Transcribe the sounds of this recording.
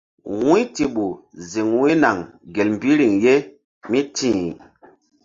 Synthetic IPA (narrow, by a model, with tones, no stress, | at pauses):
wu˦ti˨ɓu˨zi˨ŋwi˦na˨ŋɡe˨lm̩˨bi˦ɾi˨ŋje˦ | mi˦tĩ˦˨